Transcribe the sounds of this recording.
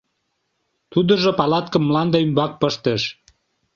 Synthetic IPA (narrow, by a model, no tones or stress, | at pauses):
t̪ud̪əʒopɑlɑt̪kə̆mːlɑnd̪əymbɑk̚pəʃt̪eʃ